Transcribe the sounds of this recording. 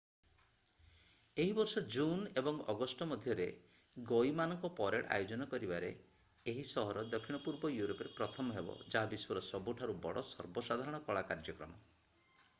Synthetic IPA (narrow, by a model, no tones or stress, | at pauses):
eɦibɔɾsɔd͡ʒunebɔŋɔɡɔsʈɔmɔd̪ʱjɔɾe | ɡojmanɔŋkɔpɔɾeʈa̰jod͡ʒɔnɔkɔɾibaɾḛ | eɦisɔɦɔɾɔd̪ɔkʰiɽ̃ɔpuɾbɔjuɾopɔɾepɾɔt̪ʰɔmɔɦebɔ̰d͡ʒaɦabiswɔɾɔsɔbuʈʰaɾubɔɽɔsɔ̰ɾbɔsad̪ʱaɾɔɽ̃ɔkɔɭakaɾd͡ʒɔkɾɔ̰mɔ